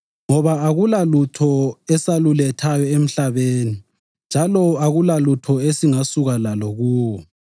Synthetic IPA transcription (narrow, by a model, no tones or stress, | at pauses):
ŋɔβaːɣulalutʰɔɛsalulɛtʰajɔem̩ɬaβeːni | nd͡ʒʱalɔaɣulalutʰɔesiŋasuɣalaloɣuːwɔ